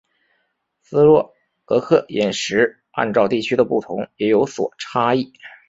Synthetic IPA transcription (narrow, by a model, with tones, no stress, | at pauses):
sɹ̩˥lwɔ˥˩ | ɤ˧˥kʰɤ˥˩jɛ˨˩nʂɻ̩˧˥ | a̰˥˧nʈ͡ʂɑ˥˧ʊt̪i˥˩t͡ɕʰy˥d̪ə˨pu˥˩t̪ʰʊ˧˥ŋjɛ˧˥jo˧˥ʊswɔ̰˨˩ʈ͡ʂʰa˥i˥˩